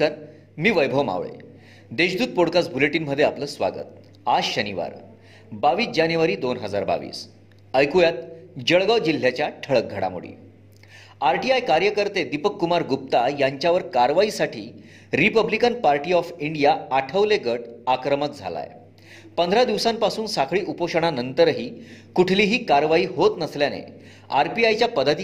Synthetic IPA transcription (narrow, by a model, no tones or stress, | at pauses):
əɾ | miːʋəjbʱəʋma̰ʋɭḛ | d̪eɕd̪uːd̪̚poɽkasbʱuleʈiːnm̤əd̪ʱːjeapləːsʋa̰ɡə̰t̪ | aɕəniʋa̰ɾ | baʋiːsd͡ʑanjuʋaɾiːd̪onɦəd͡zaɾba̰ʋḭːs | əjkujat̪̚d͡ʑəɭɡaʋd͡ʑil̤ːjat͡ɕjaʈʰəɭək̚ɡʱəɽa̰mṵɽḭː | aɾʈiajkaɾjəkəɾt̪ed̪ipəkːumaɾɡup̚t̪ajaɲt͡ɕjaʋəɾkaɾʋaisaʈʰiː | ɾipəblikənpaɾʈiːɔfiɳɖijaaʈʰəʋleɡəʈakɾəmət̪̚d͡zʱa̰la̰j | pənd̪ʱɾad̪iʋsãmpasuːnsakʰɭiːʔupoɕəɽ̃anənt̪əɾɦiːkuʈʰliːɦiːkaɾʋaiːɦot̪nəsljanḛ | aɾpiajt͡ɕjapəd̪ʱat̪i